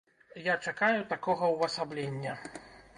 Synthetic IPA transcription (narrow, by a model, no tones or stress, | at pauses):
jat͡ʂakajut̪akɔɣɐwvɐsablʲenʲːɐ